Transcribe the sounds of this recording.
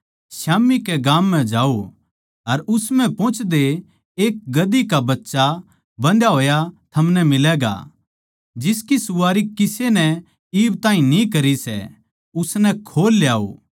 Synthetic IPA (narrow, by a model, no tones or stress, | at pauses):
ʃaːmːikeɡãːmːɛ̃d͡ʒaːo | ɐɾʊsmɛ̃pɔ̃ːt͡ʃʰd̪eː | k̚ɡɐd̪ikabɐtːʃa | bɐ̃nd̪jaɦoːjat̪ʰɐmnɛmɪlɛːɡa̰ | d͡ʒɪskisʊʋaːɾikɪsenɛ | iːbt̪ãːĩnĩkɐɾisɛ̰ | ʊsnɛkʰoːlːjaːo̰ː